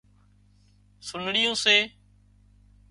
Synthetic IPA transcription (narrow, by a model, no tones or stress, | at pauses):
sʊnɽɪjũːseː